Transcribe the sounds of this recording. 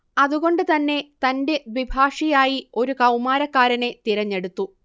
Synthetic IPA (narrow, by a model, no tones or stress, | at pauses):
ɐðuɣo̞ɳɖɨt̪ɐnːe̞t̪ɐnde̞ʋibʱaːʂijaːjio̞ɾukɐwmaːɾɐkːaːɾɐne̞t̪iɾɐɲːe̞ɽut̪ːu